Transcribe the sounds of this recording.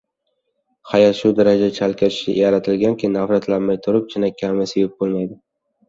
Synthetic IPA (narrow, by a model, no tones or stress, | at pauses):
hajat̪ʃʊd̪aɾad͡ʒat͡ʃʰalkʲaɪ̥ʃɪ̰jaɾat̪ʰɪlɡʲankʲʰɪnafɾat̪ʰlanmajt̪ʰʊɾɪp̚t͡ʃʰɪnakʲʰːamɪsevɪp̚bolˠmajd̪ɪ